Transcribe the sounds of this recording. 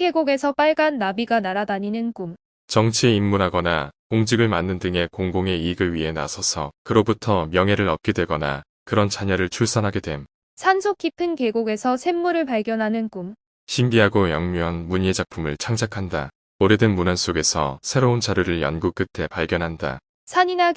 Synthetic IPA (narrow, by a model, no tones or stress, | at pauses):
ke̞ɡoɡe̞sʰʌp͈aɭɡanːabiɡanaɾadaɲinɯnkum | t͡ɕʌŋt͡ɕʰieimmunɦaɡʌnakoŋd͡ʑiɡɯɭmanːɯndɯŋe̞koŋɡoŋe̞iɡɯɭɥiɦe̞na̰sʰʌsʰʌkɯɾobutʰʌmjʌŋɦe̞ɾɯɾʌt̚k͈edwe̞ɡʌna̰ | kɯɾʌnt͡ɕaɲʌɾɯɭt͡ɕʰuɭs͈ʌnɦaɡedwe̞m | sʰansʰok͈ipʰɯnke̞ɡoɡe̞sʰʌsʰe̞mːuɾɯɭpaɭɡjʌnɦanɯnkum | ɕʰimbiɦaɡojʌŋmuɦanmuɲed͡ʑak̚pʰumɯɭt͡ɕʰaŋd͡ʑʰakʰanda̰ | oɾedɯnmunans͈oɡe̞sʰʌ̰sʰe̞ɾount͡ɕaɾjuɾɯɭjʌnɡuk͈̚ɯtʰe̞paɭɡjʌnɦanda̰ | sʰaɲina